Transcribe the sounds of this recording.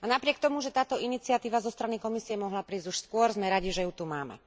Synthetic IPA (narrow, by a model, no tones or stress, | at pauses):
anapɾɪɛk̚t̪ɔmuʒɛt̪aːt̪ɔinit͡siat̪iːʋazɔst̪ɾanikɔmisiɛmɔɦlapɾiːzɟuʃskʊɔɾzmɛɾaɟiʒɛjut̪umaːmɛ̰